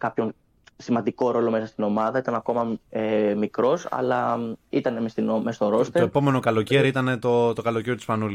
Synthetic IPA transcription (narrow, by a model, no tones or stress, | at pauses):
kɐpço̞n | simɐnd̪iko̞ɾo̞lo̞me̞sɐst̪ino̞mɐðɐit̪ɐnɐko̞mɐemikɾo̞sɐ̰lɐit̪ɐne̞mest̪inomest̪o̞ɾo̞st̪eoepo̞me̞no̞kɐlo̞ceɾiit̪ɐne̞t̪o̞t̪okɐlo̞ceɾjot̪ispɐnuli